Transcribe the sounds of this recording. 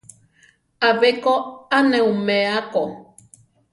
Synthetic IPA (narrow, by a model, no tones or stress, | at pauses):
aβekoanɛumeako